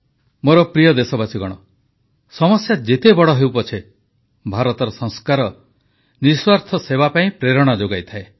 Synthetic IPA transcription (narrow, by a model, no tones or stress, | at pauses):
moɾɔpɾijɔd̪esɔbat͡ʃʰiɡɔɽ̃ɔ | sɔmɔsjad͡ʒet̪ebɔɽɔɦewpɔt͡ʃʰe | bʱaɾɔt̪ɔɾɔsɔ̃ŋ̃skaɾɔ | niswaɾt̪ʰɔsebapaĩpɾeɾɔɽ̃ad͡ʒoɡajt̪ʰae